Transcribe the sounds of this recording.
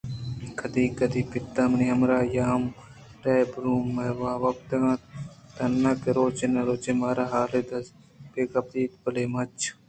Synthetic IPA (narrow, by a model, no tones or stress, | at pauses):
kʰɐd̪iːkɐd̪ipɪt̪ːamniɐmɾaːjaːm | ʈaːjbɾuːmːeʋaːʋɐp̚t̪eãːt̪ɐnːaːkeɾoːt͡ʃenɐɾoːt͡ʃemaːɾaɦaːled̪ɐ | peːkɐp̚d̪iːt̪̚pɐleːmɐt͡ʃʰ